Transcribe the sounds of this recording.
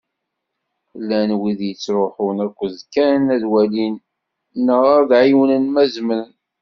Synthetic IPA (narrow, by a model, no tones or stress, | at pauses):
lːænwiðjət͡sːɾˤoħʊnækʷːəzkæɾnæðwælin | nːəʁaɾðʕiwənənmæzməɾn